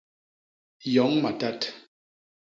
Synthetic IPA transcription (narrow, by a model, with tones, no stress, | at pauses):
jɔ˨˦ŋma˨ta˦t